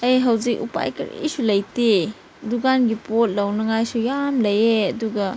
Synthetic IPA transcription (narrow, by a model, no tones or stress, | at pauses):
ɐjɦɐwzik̚ṵpa̰jkɐ̰ɾḭsulɐjte | duɡanɡipot̚lɐwnɐŋajsujamlɐjeɐduɡɐ